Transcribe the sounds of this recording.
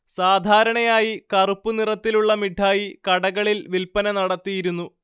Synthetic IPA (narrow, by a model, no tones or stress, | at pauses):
saːd̪ʱaːɾɐɳɐjaːjikɐrupːunirɐt̪ːiluɭːɐmiɖʰʱːaːjikɐɽɐɣɐɭilʋilpɐnɐnɐɽɐt̪ːijiɾunːu